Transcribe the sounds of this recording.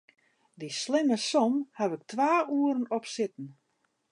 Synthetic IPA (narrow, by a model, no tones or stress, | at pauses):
dislɪməsɔmhaʋɪk̚tʋaːuəɾənɔpsɪtən̩